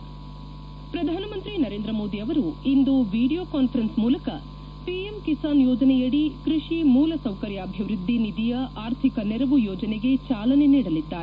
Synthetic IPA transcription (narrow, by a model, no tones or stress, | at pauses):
pɾɐd̪ʱaːnɐmɐnt̪ɾinɐɾeːnd̪ɾɐmoːd̪iɐʋɐɾuind̪uʋiːɽijoːkaːnpʰɐɾɐnsmuːlɐkɐ | piemkisaːnjɔːd͡ʒɐnɛjɐɽikɾuʂimuːlɐsɐwkɐɾjaːbʱjɐʋɾud̪ʱːinid̪ijɐʔaːɾt̪ʰikɐnɛɾɐʋujɔːd͡ʒɐneɡe̞t͡ʃaːlɐne̞niːɽɐlid̪ːaːɾe